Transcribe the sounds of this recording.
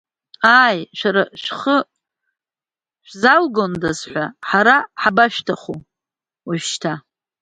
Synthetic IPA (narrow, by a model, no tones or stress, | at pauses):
aːjʃʷᶣaɾaʃʃʷᶣχə | ʃʷzalɡondazħʷaħaɾaħabaʃtʰaχu | waʒʃtʰa